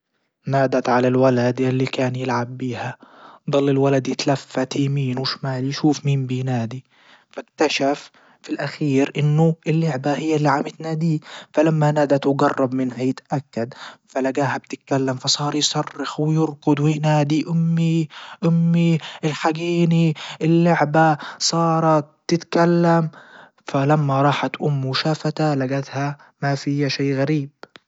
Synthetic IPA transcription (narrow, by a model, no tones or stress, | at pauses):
naːd̪at̪ʕalalwalad̪ʔɪlːikaːnjɪlʕabːiːhad̪ˤɑlːɪlwalad̪jɪt̪lafːat̪imiːnwɪʃmaːljʃuːfmiːmbinaːd̪i | fakt̪aʃafː | ilʔaxiːɾʔɪnːʊʔɪlːɪʕbahɪjːalːiʕamɪt̪naːd̪iːfalamːanaːd̪at̪wɪɡɑrˤːɑbmɪnhajɪt̪ʔakːad̪falaɡaːhab̚t̪ɪt̪̚kalːamfɑsˤɑːɾˤjsɑrːɪxwɪjɪɾkʊd̪wɪnaːd̪iʔʊmːiʔʊmːiʔɪlħaɡiːniʔɪlːʊʕbasˤɑːɾˤɑt̪̚ːɪt̪kalːam | falamːaɾˤɑːħat̪ʔʊmːuʃafat̪alaɡat̪ha | mafɪjːaʃaːɣaɾiːb̥̚